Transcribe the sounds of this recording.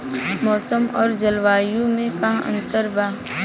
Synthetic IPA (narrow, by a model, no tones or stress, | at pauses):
mɔːsəmɔːɾd͡ʒɐlʋaːjũmẽkɐɦɐ̰̃nt̪əɾbaː